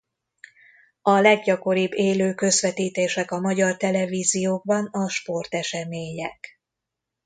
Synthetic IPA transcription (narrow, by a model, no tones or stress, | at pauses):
ɒlɛɡɟɒko̞ɾiːbːeːløːkø̞zʋɛt̪iːt̪eːʃɛkɒmɒɟɒrt̪ɛlɛviːzijoːɡ̚bɒnɒʃpo̞rt̪ɛʃɛmeːɲɛk